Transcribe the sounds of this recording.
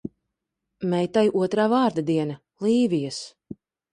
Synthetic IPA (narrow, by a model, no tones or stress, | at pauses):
mɛjt̪ajʔuɔt̪ɾaːvaːɾd̪ad̪iɛna | lˠiːvijas